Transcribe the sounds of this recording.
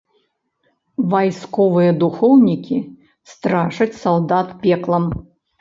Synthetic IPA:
vajskɔvɨjɐd̪uxɔwnʲikʲi | st̪ɾaʂɐt͡sʲsalˠd̪at̪pʲɛklˠɐm

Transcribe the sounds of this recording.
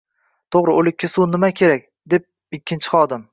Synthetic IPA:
t̪ʰoʁɾɪolɪkʲʰːasunɪmakʲʰe̞ɾakʲ | d̪e̞p̚ | ɪkʲːɪnt͡ʃʰɪ̥χɒd̪ɪm

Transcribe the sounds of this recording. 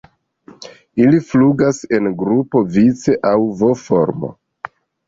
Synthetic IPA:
ilifluɡase̞nɡɾupo̞vit͡se̞ʔawvo̞fo̞̰ɾmo̰

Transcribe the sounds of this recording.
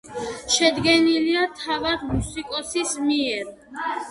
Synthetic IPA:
ʃɛd̪ɡɛniliat̪ʰavad̪musikʼɔsismiɛɾ

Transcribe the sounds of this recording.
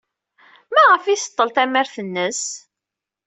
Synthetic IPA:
mæʁəfisə̥t̪ˤːəlt̪æməɾθənːəs

